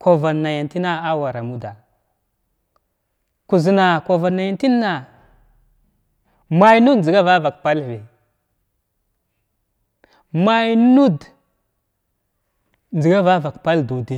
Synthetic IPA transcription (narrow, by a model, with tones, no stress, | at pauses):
ko˨va˨nːa˨ja˨nti˦na˦a˦wa˨ɾa˨mu˦da˨ | ku˨zi˨na˨ko˨va˨nːa˨ja˨nti˦nː˦a˨ | ma˨jnu˦dzi˨ɡa˦va˦va˨kpa˦lvi˨ | ma˨jnu˦d | nd͡ʒi˨ɡa˦va˦va˨kpa˦ldu˨di˦